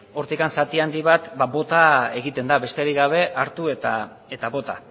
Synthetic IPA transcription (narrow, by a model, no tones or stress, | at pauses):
o̞ɾt̪ikansat̪iand̪iβ̞at̪babo̞t̪ae̞ɣ̞it̪e̞nd̪aβe̞st̪e̞aɾiɣaβ̞e̞ʔaɾt̪ue̞t̪a | e̞t̪aβo̞t̪a̰